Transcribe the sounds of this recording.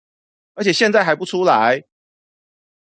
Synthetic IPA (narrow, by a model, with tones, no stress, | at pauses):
ə˞˧˥t͡ɕʰjɕjɛ˥˧nt͡sa˥˩ɪxa˧˥ɪpu˥˩ʈ͡ʂʰu˦˥la˨˦ɪ